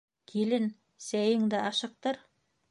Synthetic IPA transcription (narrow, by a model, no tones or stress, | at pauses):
kʲʰelɘn | sæjɪŋd̪ɘʔɑʃə̆q̚t̪ɤɾ